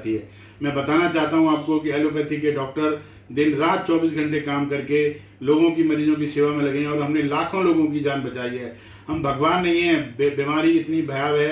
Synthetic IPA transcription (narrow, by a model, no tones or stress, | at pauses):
t̪iɦɛː | mɛ̃ːbɐt̪aːnat͡ʃaːɦt̪aɦũaːp̚kokiɛlok̬ət̪ʰikeɖɔːk̚ʈəɾ | d̪ɪnɾãːt̪̚t͡ʃɔːbiːsɡʱɐ̃ɳʈekaːmkɐɾke | loːɡõkimɐɾiːd͡ʒõkiseːʋamẽlɐɡẽɔːɾɦɐmnelaːkʰõloːɡõk̬id͡ʒaːnbɐt͡ʃaːiɦɛː | hɐmbʱɐɡʋaːnːɐɦĩɦɛ̃ːbbiːmaːɾiɪt̪nibʱɐjaːʋɦɛ